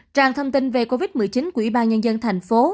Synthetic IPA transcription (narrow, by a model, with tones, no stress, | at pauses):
t͡ɕaː˧˨˩ŋt̪ʰə˧wŋ͡mt̪i˧nve˨˩ko˧vi˦˥t̚mɨ˨˩jt͡ɕi˨˦nku˧˩əwi˧˩ɓaː˧nɲə˧nzə˧nt̪ʰa˨˩jŋ̟fo˨˦